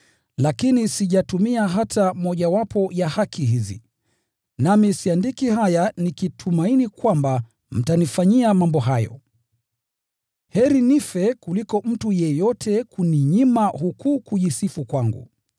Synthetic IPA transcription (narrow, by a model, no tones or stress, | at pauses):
lakinisiʄatumiaɦatamɔʄawapʰɔjahakʰiɦizḭ | namisiandikihajanikitʰumainikwamba | m̩tanifaɲiamambɔɦajɔ̰ | hɛɾinifɛkulikɔm̩tujɛjɔtʰɛkuniɲimahukukuʄisifukwaŋɡṵ